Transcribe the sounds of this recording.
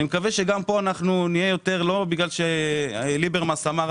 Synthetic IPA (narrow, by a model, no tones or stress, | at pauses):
nimekaveʃeɡampo̞anaχnunijejo̞t̪e̞ʁlo̞biɡlalʃelibeʁmasamaʁ